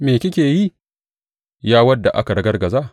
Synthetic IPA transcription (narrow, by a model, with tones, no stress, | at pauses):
meː˨kʲɪ˦kʲeː˨ji˦ | jaː˦wɐ˦dːa˨ʔa̰˦ka˨ɽɐ˦ɡɐ˦rɡɐ˨zaː˦˨